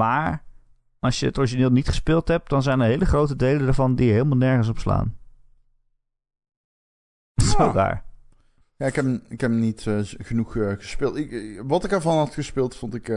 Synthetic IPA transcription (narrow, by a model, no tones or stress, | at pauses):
maːɹ | ɑsjəətɔɹʒinɪːlˠnitχə̥spɪːlˠtɦɛp̚dɑnzɛjnəɹɦejləχrowtədejləndaːɹvɑndiɦeːlˠmalˠnɛɹχəns̬ɔpsla̰ːn | soda̰ːɹ | jaɪkɛpɪkɛpnitɣənuχɣəspɪːlˠtɪʋɑtɪkɛɹvɑnɦɑtxəspɪːlˠtfontɪk